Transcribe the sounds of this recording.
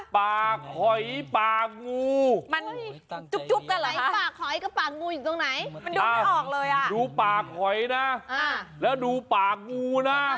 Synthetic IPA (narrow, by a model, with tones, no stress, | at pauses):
paː˨˩kʰːɔ˨˩jpaː˨˩k̚ŋuː˧ma˧nt͡ɕu˦˧˥k̚t͡ɕu˦˥p̚ka˧a˨˦jpaː˨˩kʰːɔ˨˩jka˥˩paː˨˩k̚ŋuː˧ju˨˩t̪o˧ŋna˨˩˦jma˧nduː˧aː˧ɔː˨˩k̚lɤː˧jʔa˨˩duː˧paː˨˩kʰːɔ˨˩jna˦˥ʔa˧˩lɛː˦˥˩wduː˧paː˨˩k̚ŋuː˧na˦˥